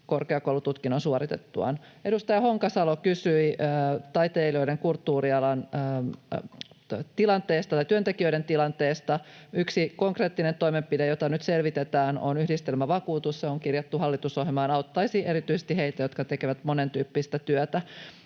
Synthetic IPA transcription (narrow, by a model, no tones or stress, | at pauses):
korkeɑkoulut̪ut̪kinonsuoɾit̪et̪ːuɑ̰n | e̞dust̪ɑjɑhoŋkɑsɑlokysyiːt̪ɑit̪eːlio̞ideŋkult̪ːuːriɑlɑnː | t̪ilɑnt̪eːst̪ɑt̪ɑjt̪yønt̪ekiøiɾent̪ilɑnt̪eːst̪ɑyksikoŋkreːt̪ːinent̪oimempidejot̪ɑnyt̪selʋit̪et̪æːno̰nyhdist̪elmæʋɑkuːt̪usseoŋkirjɑt̪ːuhɑlːit̪usoɦimɑːnɑut̪ːɑisiːʔeɾit̪yisest̪iheit̪æjot̪kɑt̪ekeʋæt̪monent̪yːpːist̪æt̪yøt̪æ